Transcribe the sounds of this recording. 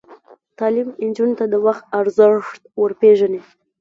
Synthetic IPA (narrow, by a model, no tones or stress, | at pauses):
t̪ɑlimɪnd͡ʒunt̪ad̪əwaxt̪aɾzəʂt̪̚wəɾpeʒane